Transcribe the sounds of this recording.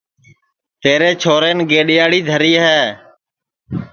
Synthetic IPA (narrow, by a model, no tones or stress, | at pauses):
t̪eːɾeːt͡ʃʰoːɾeːnɡeːɗɪjaːɽiːd̪ʱəɾiːɦɛː